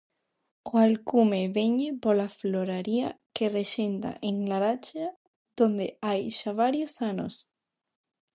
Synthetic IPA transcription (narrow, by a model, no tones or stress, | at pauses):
oalkumeβeɲepolafloɾaɾia̰kereʃent̪a̰ʔeŋlaɾat͡ʃa | ðond̪eajʃaβaɾjosano̰s